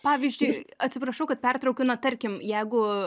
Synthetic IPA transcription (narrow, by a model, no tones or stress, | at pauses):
pɑːʋʲiːzʲd͡ʒʲʊɪɐt̪ʲsʲɪpɾɐʃɐʊkɐt̪̚pʲɛrt̪ɾɐʊkʲʊnɐt̪ɐɾʲkʲɪmjɛɪɡʊ